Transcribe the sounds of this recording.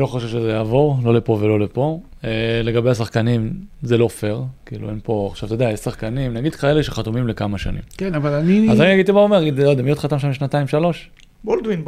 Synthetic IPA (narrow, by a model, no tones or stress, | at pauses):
lo̞χoʃevʃezejaːvo̞ʁlo̞lepo̞ve̞lo̞lepo̞ | ele̞ɡabe̞jasaχkanimzelo̞fe̞ʁkiːlṵenpo̞aχʃavt̪o̞d̪eajeʃsaχkanimnaɡid̪̥kae̞le̞ʃeχat̪umimlekamaʃa̰nḭmkenavalaniazaninaɡid̪̚t̪imaomeɡid̪lojd̪emijot̪χat̪amʃamʃnat̪aimʃalo̞ʃ | bold̪win